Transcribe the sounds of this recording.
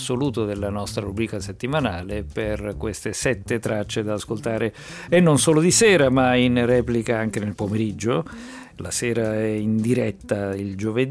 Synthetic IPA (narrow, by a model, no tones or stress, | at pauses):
soluːt̪od̪elːanɔst̪ɾaɾubɾiːkaset̪ːimanaːleperkwest̪esɛt̪ːet̪ɾat͡ʃːed̪aːskolt̪aːɾe | enːonsoːlod̪isɛːɾamainrɛːplikaaŋkenelpomeɾid͡ʒːo | la̰sɛːɾaɛind̪iɾɛt̪ːaild͡ʒoved̪